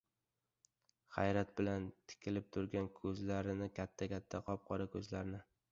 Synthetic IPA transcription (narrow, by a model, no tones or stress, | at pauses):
χajɾat̪̚bɪlant̪ʰɪ̥kʲʰɪlɪp̚t̪ʰʊɾɡʲankʰɵzlaɾɪnɪkʲʰat̪ʰːakʲʰat̪ʰːaqʰɒp̚qʰɒɾakʰɵzlaɾnɪ